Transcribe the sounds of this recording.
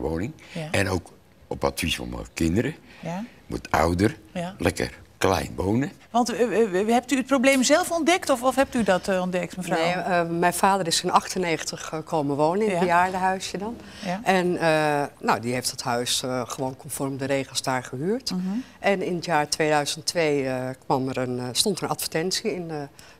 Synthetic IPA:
ʋo̰wnɪŋɛnowk | ɔpa̰tfisfɔ̰nmə̰kɪndəɾə | ʋɔ̰ta̰wdərlɛkə̰rklɛ̰jnʋownəʋɑntɦɛp̚tyət̚prowblejmzɛlˠfɔndɛktɔfɔfɦɛp̚tydɔtɔndɛk̚tməremɛjfaːdəɾɪsɪnɑχtəneːχəntəχəkʰoːməʋoːnəɪnbəjaːɹdəɦœɥsjədɑn | ʔɛnənowdiɦejftdətɦœɥsχəʋoːnkʰɔnfɔrmdəɾeːχəlˠsdaːɹχəɦyːɹtʔɛnɪnətjaːɹtʋeːdœɥz̥əntʋeːəkʋɑmərənstɔntənɑtfə̥ɹtɛntsiɪn

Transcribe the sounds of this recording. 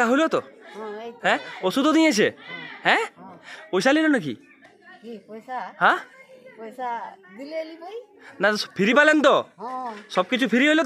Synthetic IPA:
aɦojlot̪ɔ | ɦɛ̃osud̪ɔd̪ĩj̃at͡ʃʰeɦɛ̃ | ojsalilonɔkḭ | ɦã | nat̪ɔpʰiɾipalent̪ɔ | sɔb̚kit͡ʃʰupʰiɾiɦojlot̪

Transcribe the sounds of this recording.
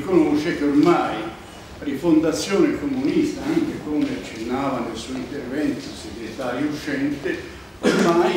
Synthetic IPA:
konoʃekeormaj | rifond̪at̪sːjoːnekomunist̪aɛŋkɾekomeat͡ʃːenːaːvanelsuːint̪ervɛnt̪iseɡɾjet̪aːɾjut͡ʃɛnt̪ɪ | ormaj

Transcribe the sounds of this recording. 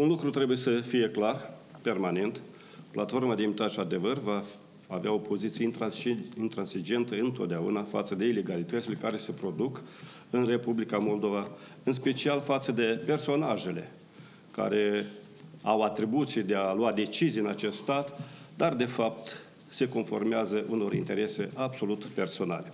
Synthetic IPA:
unlukɾut̪ɾe̞buje̞səfije̞klar | pe̞rmane̞nt̪ | plat̪fo̞rmad̪eimit̪atʃad̪e̞vərvaː | veao̞po̞zit̪sijent̪ɾaint̪ɾansid͡ʒe̞nt̪əɨnt̪o̞t̪̚d̪eaṵnafa̰t̪səd̪e̞ile̞ɡalit̪ət̪sile̞kaɾe̞se̞pɾo̞d̪uk | ɨnre̞publikamo̞ld̪ova | ɨns̬pe̞t͡ʃialfat̪səd̪e̞pe̞rso̞naʒe̞le̞̰ | ka̰ɾe̞ | awat̪ɾibut̪sijd̪e̞aluad̪e̞t͡ʃizijɨnat͡ʃe̞st̪st̪at̪ | d̪ard̪e̞fap̚t̪ | se̞ko̞nfo̞rmeazəʔuno̞ɾint̪e̞ɾe̞se̞ʔabso̞lut̪pe̞rso̞na̰le̞

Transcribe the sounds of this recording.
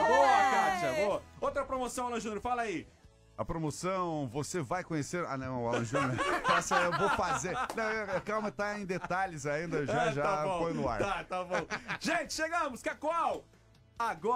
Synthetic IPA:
boakad͡ʒɐboɐowt̪ɾɐpɾomosɐ̃w̃alɐ̃ʒũnoɾfalai | ɐpɾomosɐ̃w̃vosevajkõɲeseɾa̰nɐ̃w̃alɐ̃ʒũnopɛsewvowfazeɾnɐ̃w̃eekawmɐt̪aẽj̃d̪et̪aʎɪzaĩnd̪ɐewʒaʒaabõfojnʊa̰ɾt̪at̪abõw̃ʒ̥ẽt͡ʃɪ̥ʃeɡɐ̃mʊskakwaw | aɡɔ

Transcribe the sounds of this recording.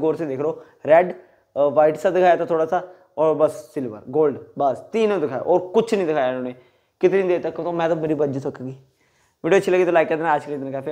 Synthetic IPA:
ɡoːɾsĩːd̪ɪkʰɾoː | ɾɛɖ | ʋaːɪʈsaːd̪ɪkʰaːjaːt̪ãːt̪ʰoːɽaːsaː | ɔːɾbəsːɪlbə̰ɾɡoːlɖbəst̪iːnõːd̪ɪkʰaːja̰ʔɔːɾkʊt͡ʃʰnĩːd̪ɪkʰaːjanoːneː | kɪt̪eːnĩːd̪eːt̪akːõt̪õmɛ̃ːt̪aːmeːɾiːbəd͡ʒsəkaɡiː | ʋiːɖiːt͡ʃʃʰiːləɡiːt̪oːlaːɪkaːd̪enaəd͡ʒkəld̪enãkaːpʰe

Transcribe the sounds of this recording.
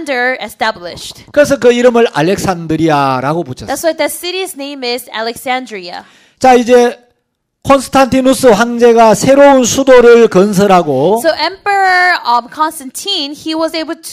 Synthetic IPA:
ndə˞ɛstæblɪ̰ʃtkɯɾes̬ʰʌk̬ɯiɾɯmɯɾa̰lːek̚s͈ʰandɯɾijaɾaɡoput͡ɕʰʌðætswaɪðɨsɪɾiznẽɪ̃mɪzæ̰lˠɛksæ̃ndɹiə̰ | t͡ɕaid͡ʑe̞ | kʰonsʰɯ̥tʰantʰinus͈ʰɯɸwaŋd͡ʑe̞ɡasʰe̞ɾounsʰudoɾɯɭkʌns̬ʰʌɾɦaɡosoʊʔɛ̃mpə˞ə˞ʌvkʰɑ̃nstɛ̃ntʰĩnhiwʌzeɪbl̩ˠtʰ

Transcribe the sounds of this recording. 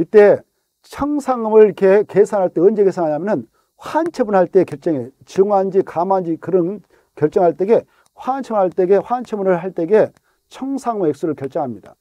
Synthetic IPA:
it͈e̞ | t͡ɕʰʌŋsʰaŋɯmɯɭkʰekesʰanɦaɭt͈e̞ɯnd͡ʑeɡesʰanɦaɲamjʌnɯn | ɸwant͡ɕʰebunɦaɭt͈e̞kjʌɭt͡ɕ͈ʌŋet͡ɕɯŋand͡ʑikamand͡ʑikɯɾɯn | kjʌɭt͡ɕ͈ʌŋɦaɭt͈e̞ɡe̞ | ɸwant͡ɕʰʌbaɭt͈eɡeɸwant͡ɕʰebunɯɭɦaɭt͈e̞ɡe̞ | t͡ɕʰʌŋsʰaŋmɯɦek̚s͈uɾɯɭkjʌɭt͡ɕ͈ʌŋɦamɲida̰

